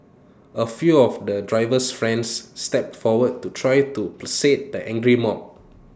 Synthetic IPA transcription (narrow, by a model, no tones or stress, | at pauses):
ʔəfjuɔfdədɹaɪvəsfɹɛ̃nsːtɛp̚fɔwəd̚tutʰɹajtupləset̚dəʔɛ̃ŋɡɹimɔp̚